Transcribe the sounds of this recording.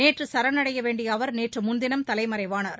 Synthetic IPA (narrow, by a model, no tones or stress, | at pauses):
neːʈrɯsɐɾɐnɐɽɐjɐʋeːɳɖɪjɐːʋɐɾneːʈrɯmʊnd̪ɪnɐmt̪ɐlɐɪmɐɾɐɪʋaːnaːɾ